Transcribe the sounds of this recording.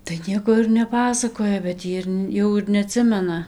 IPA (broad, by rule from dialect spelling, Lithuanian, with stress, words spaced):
tɐɪ ˈnʲiɛkoː ɪr nʲɛˈpɑːsɐkoːjɛ bʲɛt ˈjiː ɪr ˈjɛʊ ɪr nʲɛɐˈtʲsʲɪmʲɛnɐ